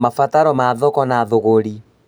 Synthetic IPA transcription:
mafataɾɔmaðɔkɔnaðoɣoɾi

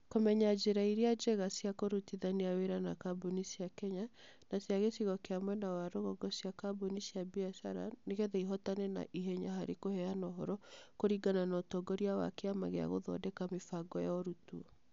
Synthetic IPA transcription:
komɛɲad͡ʒeɾaiɾead͡ʒɛɣasjakoɾutiðaneaweɾanakabonisiakɛɲa | nasjaɣesiɣɔkeamwɛnawaɾoɣɔɡɔsjakabonisjabiasa̰ɾa̰neɣɛðɛiɦɔtanɛna̰ʔiɦɛɲaɦaɾekohɛanɔɦɔɾɔkoɾiɡananɔtɔɡɔɾiawa̰keama̰ɣea̰ɣo̰ðɔ̰dɛkamefaɡɔjaɔɾutuɔ

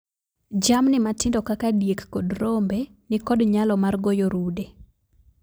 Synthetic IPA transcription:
d͡ʒamnɪmatɪndɔkakadjekːodɾombe | nɪkɔdɲalɔmarɡojoɾude

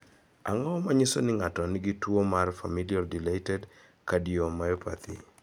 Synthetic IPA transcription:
a̰ŋɔmaɲisonɪŋatɔnɪɡitwomarfamiliɔrdilatɛd | kadiomajopa̰t̪ḭ

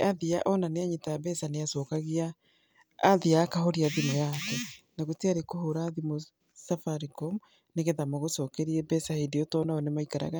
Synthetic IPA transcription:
aðiaʔɔnaneaɲetajabɛsaneasɔːkaɣiaː | ðiaːkaɦoɾiaðimojakɛnaɣoteaɾekoɦoɾaðimo | safaɾikɔm | neɣeðamaɣosɔːkɛɾiɛbɛsahedeotɔnaɔnemaikaɾa̰ɣa

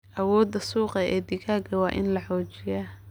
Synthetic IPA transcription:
ʔɐwɔːd̪ɐsuːqɐɛːd̪ɪkʰaːɡɐwɑːʔɪ̰nlɐħɔːt͡ʃɪja

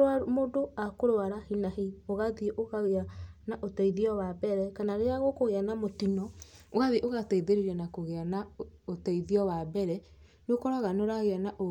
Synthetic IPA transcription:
amodoakoɾwaɾahinaɦioɣaðiʔoɣaɣeanaʔotɛiðiɔwabɛɾɛkanaɾeaɣokoɣeanamotinɔ | oɣaðiʔoɣatɛiðeɾiɾɛnakoɣeanaotɛiðiɔwabɛɾɛ | nokɔɾaɣanoɾaɣeanaʔo

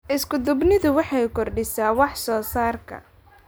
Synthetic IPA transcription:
ʔɪskʊd̪ʊbnɪðʊwɑħɑjkɔrɖɪsaːwɑħsɔːsaːrkʰɐ̰

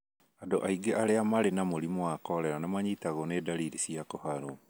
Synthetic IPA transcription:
adoʔaiɡeʔaɾeamaɾenamoɾimɔakɔɾɛɾanamaɲitaɣɔnedaɾiːɾisiakɔhaɾo

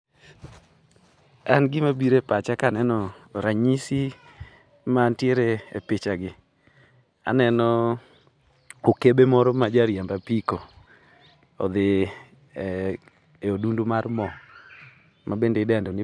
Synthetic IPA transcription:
anɡɪmabiɾepat͡ʃakanɛnɔɾaɲisi | mantjeɾeḛpɪt͡ʃaɡɪ | a̰nɛnɔ | okebemɔɾɔmad͡ʒaɾjambapiko | ɔ̰d̪ɪ | eodundumarmɔ | mʔabendeɪdɛndɔnɪ

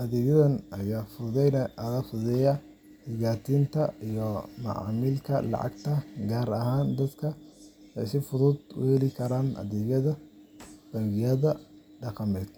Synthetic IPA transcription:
ʔɐðɛːɣɐðɐnʔɐjaːfʊðɛnɐðaːfʊðɛjɐ | hɪɡaːt̪ʰiːnt̪ʰɐijɔmɐ̰ʕa̰ːmɪlkʰɐ̰lɑ̰ʕɑ̰ɡt̪ʰɐɡaːɾɐɦaːnd̪ɐd̪kʰɐ | ɛjsɪfʊðʊd̪ʊ̰hɛlɪkʰɐɾaːnɐ̰ðɛːjɐðɐ | b̥ɐɣɪjɐðɐ | ɖɑqɑmɛːd̪̚

